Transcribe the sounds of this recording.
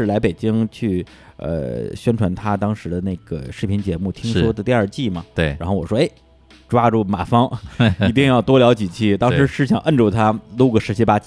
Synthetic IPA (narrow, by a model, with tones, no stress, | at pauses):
ɻ̩˥˩la˧˥ɪpe˨˩ɪt͡ɕi˥ŋt͡ɕʰy˥˩ | ə̰˧ɕɥɛ˥nʈ͡ʂʰwa˧˥nt̪ʰa˥t̪ɑ˥ŋʂɻ̩˧˥d̪ə˧ne˥˩ɪɡ̥ə̰˩ʂɻ̩˥˩pʰi˧˥nt͡ɕjɛ˧˥mu˥˩t̪ʰi˥ŋʂɔ˥d̪ə˨t̪i˥˧ə˞˥˧t͡ɕi˥˩mɐ˩t̪e˥˩a˧˥nxo˥˩ʊwɔ˨˩ʂwɔ˥e˥˩ɪ | ʈ͡ʂwa˥ʈ͡ʂu˥˩ma̰˨˩fɑ˥ŋi˧˥t̪i˥˧ŋjɑ˥˩ʊt̪wɔ˥ljɑ˧˥ʊt͡ɕi˨˩t͡ɕʰi˥˩t̪ɑ˥ŋʂɻ̩˧˥ʂɻ̩˥˩ɕjɑ˨˩˦ŋʔə˥˧nʈ͡ʂu˥˩t̪ʰa˥lu˥ɡə˩ʂɻ̩˧˥t͡ɕʰi˥pa˥t͡ɕ